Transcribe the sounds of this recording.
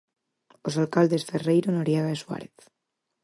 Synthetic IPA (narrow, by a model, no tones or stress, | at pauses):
osalkald̪e̞sferejɾonoɾjaɣaeswa̰ɾeθ